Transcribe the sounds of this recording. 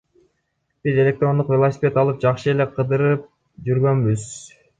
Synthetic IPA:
b̥ize̞lʲe̞k̚t̪ro̞nd̪uqvʲe̞lˠosʲɪ̥pʲe̞t̪ɑlˠɯp̚d͡ʒɑqʃɯe̞le̞qʰɯd̪ɯɾɯp̚ | d͡ʒyɾɡø̞nbyz

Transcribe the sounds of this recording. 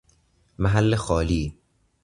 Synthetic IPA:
mæɦælːexɒːliː

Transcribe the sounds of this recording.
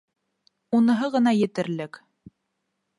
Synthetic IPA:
unɤ̆ɦɤʁɤ̆nɑjɘ̆t̪ɘ̆ɾlɘk

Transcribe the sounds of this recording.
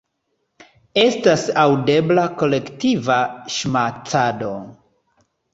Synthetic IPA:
e̞stasawde̞blako̞le̞ktivaʃmat͡sado̞

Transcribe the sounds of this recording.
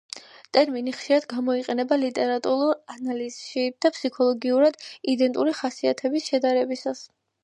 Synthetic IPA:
t̪ʼɛɾminiχʃiɾad̪ɡamɔiqʼɛnɛbalit̪ʼɛɾat̪ʼuɾuɾanaliz̥ʃid̪̥apʰsikʰɔlˠɔɡiuɾad̪id̪ɛnt̪ʼuɾiχasiat̪ʰɛbisʃɛd̪aɾɛbisas

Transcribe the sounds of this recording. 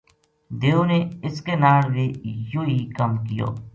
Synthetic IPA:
d̪eːoneɪskenaːɽʋeːjoikəmkijo̰ː

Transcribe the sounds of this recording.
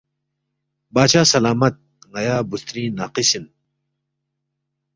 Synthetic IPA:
baːɕaːsɐlaːmɐt̪̚ | ŋɐjaːbust̪ɾĩːnaːqisin

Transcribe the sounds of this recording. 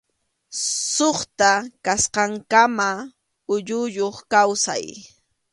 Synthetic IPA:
soχt̪akasqɑŋkama | ʊʎʊʎoχkawsa̰j

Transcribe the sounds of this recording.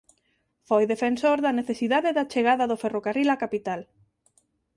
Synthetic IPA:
fojðefensoɾðɐneθesiðaðeðat͡ʃeɣaðɐðoferokarilakapit̪al

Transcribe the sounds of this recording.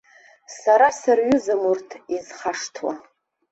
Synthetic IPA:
saɾasarɥʊzɨmurtʰizχaʂtʰwa̰

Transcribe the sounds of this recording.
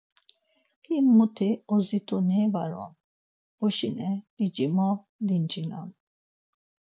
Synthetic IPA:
kʰimut̪ʰiɔzit̪ʰunɛvaɾɔ̰m | bɔʃinɛid͡ʒimɔ | d̪int͡ʃʰina̰m

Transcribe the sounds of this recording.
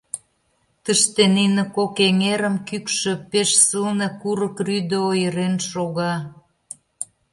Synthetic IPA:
t̪əʃt̪eninĕkokeŋeɾə̆mkykʃø̆peʃsəlnĕkuɾəkryd̪əojəɾenʃoɣɑ

